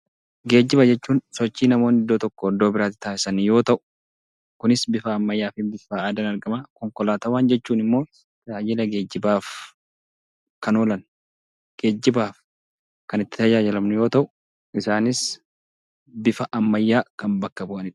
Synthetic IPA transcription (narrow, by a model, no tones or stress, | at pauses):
ɡe̞ːd͡ʒːɪbɐd͡ʒɛt͡ʃːuːnsɔt͡ʃːiːnɐmo̞ːnɪd̪ːoːt̪ɔkːɔːd̪ːo̞ːbɪɾaːt̪ːɪ̥t̪aːsɪsɐnjo̞ːt̪ɐʔʊ̥ | kʊnɪsbɪfɐːmːɐjːaːfɪbɪfaaːd̪ɐnɐɾɡɐmɐkɔŋkɔlaːt̪ɐwaːnd͡ʒɛt͡ʃːuːnɪmːo̞ː | t̪ɐd͡ʒaːd͡ʒɪlɐɡe̞ːd͡ʒːɪbaːf | kɐnoːlɐn | ɡ̥e̞ːd͡ʒːɪbaːf | kɐnɪt̪ːɪ̥t̪ɐd͡ʒaːd͡ʒɪlɐmnʊjo̞ːt̪ɐʔʊ̥ | ʔɪsaːnɪs | bɪfɐʔɐmːɐjːaːkɐnbɐkːɐbʊʔɐnɪd